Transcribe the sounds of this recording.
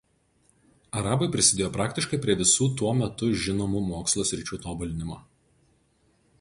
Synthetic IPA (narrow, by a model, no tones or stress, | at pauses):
ɐɾɑːbɐɪpʲɾʲɪsʲɪd̪ʲeːjoːpɾɑːkʲt̪ʲɪʃkɐɪpʲɾʲiɛʋʲɪsuːt̪uɔmʲɛt̪ʊʒʲɪnoːmʊmoːkslˠoːsʲɾʲɪt͡ʃʲuːt̪oːbʊlʲɪnʲɪmoː